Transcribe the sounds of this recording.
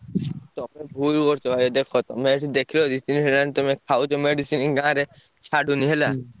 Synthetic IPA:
t̪ɔmebʱulkɔɾt͡ʃʰɔbʱajɔd̪ekʰɔt̪ɔmeʈid̪ekʰilod͡ʒit̪iniɦɛlant̪ɔmekʰawt͡ʃɔmeɖisiniɡãɾe | t͡ʃʰaɖuniɦela

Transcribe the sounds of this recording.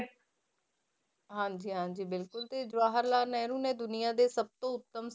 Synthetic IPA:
ɦãːɲd͡ʒiːɦãːɲd͡ʒiːbɪlkʊlt̪eːd͡ʒʊaːɦəɾlaːnɛːɾũːnɛ̃ːd̪ʊnɪjaːd̪eːsəb̚t̪õːʊt̪ːəms

